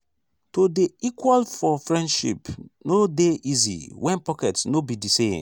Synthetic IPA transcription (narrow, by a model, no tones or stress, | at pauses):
todeikwalfɔfɹɛ̃ndʃḭpnodeʔizḭwʔɛ̃npɔkɛtsnobidisẽn